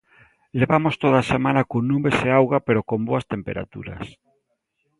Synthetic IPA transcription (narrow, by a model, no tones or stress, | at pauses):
leβamost̪oðasemãnakonnũmbeseawɣapeɾokomboɐst̪empḛɾa̰t̪ṵɾa̰s